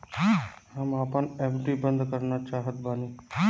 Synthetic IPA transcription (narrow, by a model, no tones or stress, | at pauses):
həmaːpəneːpɖibə̃nd̪kəɾnat͡ʃaːɦət̪baːniː